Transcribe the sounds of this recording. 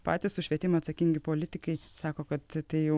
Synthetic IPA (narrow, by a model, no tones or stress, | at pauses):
pɑːt̪ʲɪssʊʃʲʋʲiɛt̪ʲɪmɐt̪sɐkʲɪŋʲɡʲɪpoːlʲɪt̪ʲɪkɐɪsɑːkoːkɐt̪t̪ɐɪjɛʊ